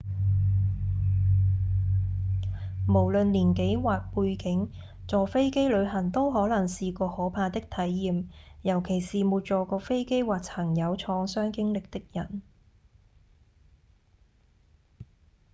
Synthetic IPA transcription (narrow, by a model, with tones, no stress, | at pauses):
mo˨˩wlɵ˨nliː˨˩nke˨˥jwaː˨k̚puː˧jkɪ˨˥ŋ | t͡sɔː˨fe˥jke˥jlɵ˨˧ɥɦɐ˨˩ŋt̪o˥wɦɔː˨˥lɐ˨˩ŋsiː˨˧kɔː˧hɔː˨˥pʰaː˧t̪ɪ˥k̚t̪ʰɐ˨˥jːiː˨˧mjɐ˨˩wkʰe˨˩jsiː˨muː˨t̚t͡ʃɔː˨kɔː˧fe˥jke˥jwaː˨˩k̚t͡sʰɐ˨˩ŋjɐ˨˧wt͡ʃʰɔː˨˧ŋsœː˥ŋkɪ˥ŋlɪ˨k̚t̪ɪ˥k̚jɐ˨˩n